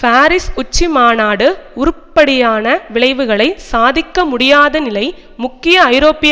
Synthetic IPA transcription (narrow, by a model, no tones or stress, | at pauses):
faːɾɪsʊt͡ʃːimaːnaːɽɯʊɾɯpːɐɽɪjaːnɐʋɪɭɐɪʋɯɣɐɭɐɪsaːðɪkːɐmʊɽɪjaːðɐnɪlɐɪ | mʊkːɪjɐɐɪɾoːpːɪ